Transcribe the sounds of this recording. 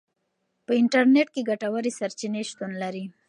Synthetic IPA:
pəɪɳʈaɾneʈ̚keɡaʈawaɾisaɾt͡ʃineʃt̪unlaɾi

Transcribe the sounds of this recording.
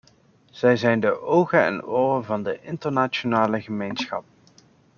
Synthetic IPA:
z̥ɛjzɛjndəʔowɣənɛ̰nʊːrəvɑndəʔɪntəɹnat͡ʃonaːləɣəmejnsχɑ̰p̚

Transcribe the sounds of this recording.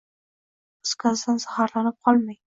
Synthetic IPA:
skʰazd̪anzɑhɑɾlanɪp̚qʰɒlˠmaj

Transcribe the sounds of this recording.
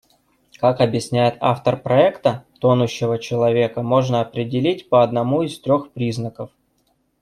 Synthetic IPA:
kakɐbjɪsʲnʲæjɪt̪a̰ft̪ərpɾɐɛkt̪ət̪o̞nʊɕːɪvət͡ɕɪlˠɐvʲe̞kəmo̞ʐnəɐpɾʲɪdʲɪlʲitʲpəɐd̪nɐmuist̪ɾʲo̞xpɾʲiznəkəf

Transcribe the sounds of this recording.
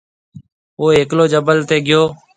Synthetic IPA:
oːɦeːkloːd͡ʒəbəlt̪eːɡɪjoː

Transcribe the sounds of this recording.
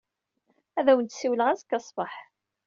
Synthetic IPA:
æðæwənt̪siwləʁæzkːɑsˤbəħ

